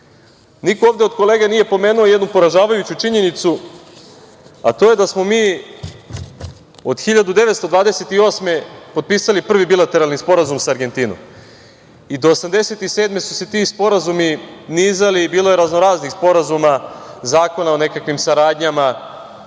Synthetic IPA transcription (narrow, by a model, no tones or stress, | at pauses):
nikooːʋvd̪eod̪̚ko̞leːɡenije̞po̞me̞ːnuoje̞d̪nupo̞ɾaʒaːʋajut͡ɕut͡ʃiɲe̞nit̪su | a̰t̪o̞je̞d̪asmo̞miː | od̪̥xiʎad̪ud̪e̞ʋet̪st̪o̞d̪ʋaːd̪e̞se̞t̪io̞ːsme̞po̞d̪̚piːsalipr̩ʋibilˠat̪e̞ɾalˠnispo̞ɾazumsaːɾɡe̞nt̪iːno̰m | id̪o̞ːsamd̪e̞se̞t̪ise̞ːd̪me̞su̥se̞t̪ispo̞ɾazuminiːzaliːbiːlo̞je̞ɾaznoɾaːznixspo̞ɾazumazaːko̞naone̞kakʋimsaɾaːd̪ɲama